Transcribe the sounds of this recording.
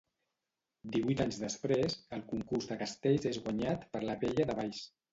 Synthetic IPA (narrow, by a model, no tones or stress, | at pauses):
d̪iβujt̪aɲzðəspɾezəlˠkuŋkurzðəkəst̪eʎzezɣwəɲat̪pəɾləβeʎəðəβajs